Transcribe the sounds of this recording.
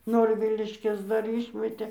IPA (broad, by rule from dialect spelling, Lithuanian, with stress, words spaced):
ˈnoːrʲʋʲɪlʲɪʃʲkʲɛs ˈdɐr ˈiːʃʲmʲɛtʲeː